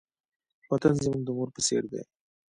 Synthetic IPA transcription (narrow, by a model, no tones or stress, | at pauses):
wat̪anzəmuŋɡ̚d̪əmuɾpəsḛɾd̪ḛ